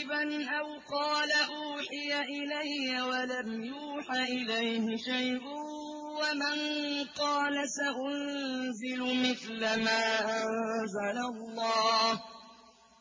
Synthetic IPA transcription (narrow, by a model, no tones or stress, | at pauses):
banʔawqɑːlaʔuːħɪjaʔɪlajːawalamjuːħaʔɪlajhɪʃajʔʊ | wamanqɑːlasaʔʊnzɪlʊmɪθlamaːʔanzalalˤːɑːh